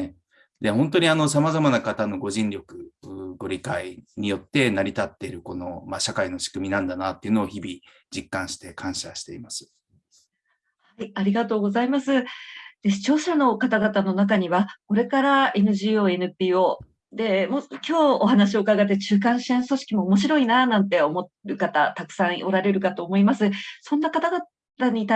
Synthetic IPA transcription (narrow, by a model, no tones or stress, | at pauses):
e | d̪ehõ̞nt̪o̞ɲ̟iano̞s̬amazamanakat̪ano̞ɡo̞ʑĩnɾʲo̞kɯ̟ɡo̞ɾʲikaiɲ̟ijo̞t̪ːe̞naɾʲit̪at̪ːe̞ɾɯ̟ko̞no̞maɕakaino̞ɕi̥kɯ̟mʲinãnd̪anat̪ːe̞iɯ̟noːçibʲi | d͡ʑikːãɰ̃ɕi̥t̪e̞kʰãɰ̃ɕaɕi̥t̪e̞imasɨ̥ | hhhaiaɾʲiɡat̪o̞ːɡo̞zaimasɨd̪̥eɕi̥t͡ɕo̞ːɕano̞kat̪aɡat̪ano̞nak̬aɲ̟iβako̞ɾe̞kaɾae̞nɯ̟ʑiːo̞ːe̞nɯ̟pʲiːo̞ː | d̪e̞mokʲo̞ːoɦanaɕ̬io̞kaɡat̪̬ːe̞t͡ɕɨːk̬ãɰ̃ɕiẽso̞ɕi̥kʲimo̞ːmo̞ɕ̬iɾo̞inanãnt̪e̞o̞mo̞t̪̚ɾɯ̟kat̪at̪akɯ̟̥são̞ɾaɾe̞ɾɯ̟kat̪o̞ːmo̞imasɨsõ̞nːakat̪aɡa | t̪aɲ̟it̪